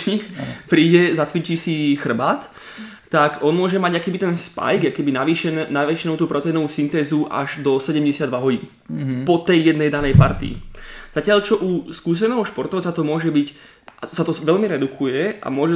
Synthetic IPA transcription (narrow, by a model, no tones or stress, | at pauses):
ɲiːkpɾiːɟɛzat͡sʋit͡ʃiːsixr̩baːt̪ː | akɔnmʊɔʒɛmaɟakɛbit̪ɛnspa̰jɡakɛbinaʋiːʃɛnɛnaʋɛʃɛnuːt̪uːpɾɔt̪ɛjnɔʋuːsint̪ɛːzuʔa̰ʒd̪ɔsɛɟɛmɟɛsɪad̪ʋaɦɔɟiːn | pɔt̪ɛjːɛd̪nɛjd̪anɛjpa̰ɾt̪ḭz̥acɪaʎt͡ʃɔʔuskuːs̬ɛnɛːɦɔʃpɔɾt̪ɔʊt͡sat̪ɔmʊɔʒɛbic | asat̪ɔʋɛʎmiɾɛd̪ukʰujɛʔa̰mʊɔʒɛ